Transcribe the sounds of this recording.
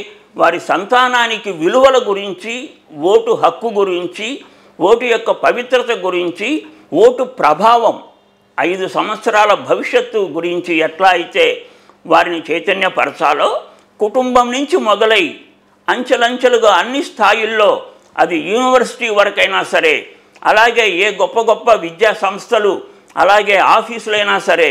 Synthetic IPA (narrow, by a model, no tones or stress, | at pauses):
ʋaːɾisɐnt̪aːnaːnikiʋiluʋɐlɐɡuɾiɲt͡ʃi | wo̞ːʈuɦɐkːuɡuɾiɲt͡ʃi | woːʈujɔkːɐpɐʋit̪ɾɐt̪ɐɡuɾiɲt͡ʃi | woːʈupɾɐbʱaːʋɐm | ɐjd̪usɐmʋɐt̪sɐɾaːlɐbʱɐʋiʂjɐt̪ːuɡuɾiɲt͡ʃiɛʈlaːɐjit̪e̞ː | ʋaːɾinit͡ʃeːt̪ɐnjɐpɐɾɐt͡ʃ̪aːloː | kuʈumbɐmnuɲt͡ʃimɔd̪ɐlɐji | ɐɲt͡ʃɐlɐɲt͡ʃɐluɡaːɐnːist̪ʰaːjilːo̞ː | ɐ̰d̪ijuːniʋɐɾsi̥ʈiːʋɐɾɐkɐjnaːsɐɾe̞ː | ɐ̰laːɡe̞ːeːɡɔpːɐɡɔpːɐʋid̪jaːsɐmst̪ʰɐlu | ɐ̰laːɡe̞ːaːpʰiːslɐjnaːsɐɾeː